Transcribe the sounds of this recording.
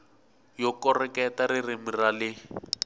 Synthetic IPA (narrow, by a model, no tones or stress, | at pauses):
jɔkɔrɛkɛtarɪrɪmiralɪ